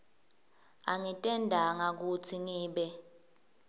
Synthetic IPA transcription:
aŋitʼɛndʱaŋak̬utʰiŋiːɓɛ

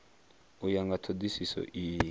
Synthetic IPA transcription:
ujaŋɡatʰodisisɔ̰ʔiː

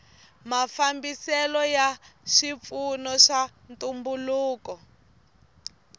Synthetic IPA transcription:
mafambisɛlɔjaʃip̪funɔʃa | ntumbuluːkɔ

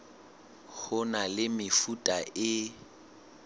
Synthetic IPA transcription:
k͡xʰʊnalɪmɪfutʼaʔɪ

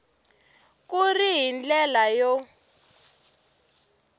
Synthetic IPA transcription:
kuriɦind͡ɮɛlajɔ

